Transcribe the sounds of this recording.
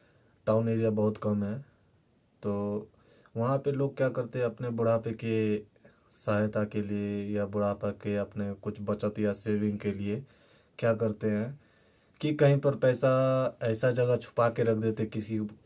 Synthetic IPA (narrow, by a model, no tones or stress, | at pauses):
ʈaːʊneːɾijabɐɦʊt̪kɐmɦɛː | t̪oː | ʋɐɦãpeloːɡ̚kjaːkɐɾt̪eɦɛ̃ɐpnebʊɽ̤aːpeke | saːjt̪akeliejabʊɽ̤aːpakeɐpnekʊt͡ʃʰbɐt͡ʃət̪jaseːʋɪ̃ŋɡkelie | kjaːk̬ɐɾt̪eɦɛ̃ː | kikɐɦĩpɐɾpɛːsaɛːsad͡ʒɐɡat͡ʃʰʊ̥pakeɾɐk̚ʰd̪eːt̪eɛkɪi